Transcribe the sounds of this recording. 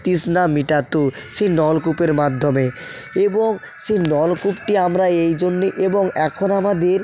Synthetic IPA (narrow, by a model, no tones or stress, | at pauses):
t̪isnamiʈat̪o | ʃenɔlkupeɾmad̪ʱːome | eboŋ | ʃenɔlkupʈiamɾaejd͡ʑonːiʔeboŋɛkʰonamad̪eɾ